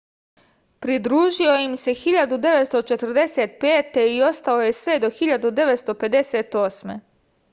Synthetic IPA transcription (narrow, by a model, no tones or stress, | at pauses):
pɾid̪ɾuːʒio̞jimse̞xiʎad̪ud̪e̞ʋe̞t̪st̪ot͡ʃe̞t̪r̩d̪e̞set̪peːt̪e̞io̞st̪ao̞je̞sʋe̞d̪o̞xiʎad̪ud̪e̞ʋet̪st̪o̞pe̞d̪e̞seːt̪o̞ːsmḛ